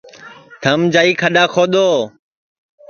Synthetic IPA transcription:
t̪ʰəmd͡ʒaːiːkʰəɗaːkʰoːɗ̪oː

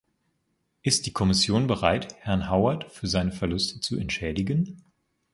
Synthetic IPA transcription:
ʔɪstd̥iːkʰɔmɪsjoːnbəʁaɪthɛɐnɦaʊɐtfyːɐzaɪnəfɛɐlʊstʰə̥t͡suɛntʃɛːdɪɡən

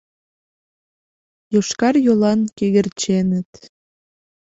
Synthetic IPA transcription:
joʃkɑrjolɑnkeɣə̆rt͡ɕenət̪

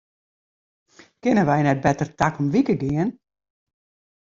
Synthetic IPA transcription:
kɪnəʋɛjnɛt̚bɛtərtakɔmʋikəɡɪən

